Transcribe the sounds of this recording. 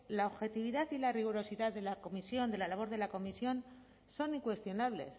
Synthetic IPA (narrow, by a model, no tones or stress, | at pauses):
laoβxe̞t̪iβ̞iðaθilariɣuɾo̞siðaððe̞lako̞misjo̞nd̪elalaβ̞o̞ɾð̞elako̞misjo̞n | so̞niŋkwe̞st̪jo̞naβ̞le̞̰s